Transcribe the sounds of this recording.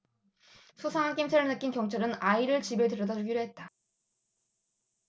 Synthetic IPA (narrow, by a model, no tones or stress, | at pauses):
sʰusʰaŋank͈imsʰeɾɯɭnɯk͈inkjʌŋt͡ɕʰʌɾɯnaiɾɯɭt͡ɕibetɯɾʌdʌd͡ʑuɡiɾoɦe̞t̚t͈a